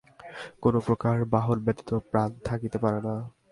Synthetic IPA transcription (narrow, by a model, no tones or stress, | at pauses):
konopɾokaɾbaɦolbɛt̪i̥t̪opɾant̪ʰakit̪epaɾena